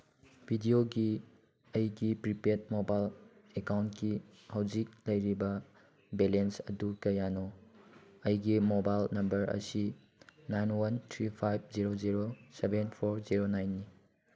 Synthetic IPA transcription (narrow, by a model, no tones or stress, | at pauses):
bʱidioɡi | ɐjɡipɾipet̚mobajlekawntki | hawd͡ʒik̚lɐjɾibɐ | belensɐdukɐjanɔ | ɐjɡimobajlnɐmbɐɾɐ̰si | najnwɐntʰɾipʰajb̚ʰziɾoziɾosebenpʰoɾziɾonajnːi